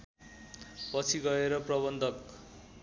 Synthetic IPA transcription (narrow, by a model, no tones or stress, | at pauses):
pʌt͡sʰiɡʌeɾʌprʌβʌnd̪ʱʌk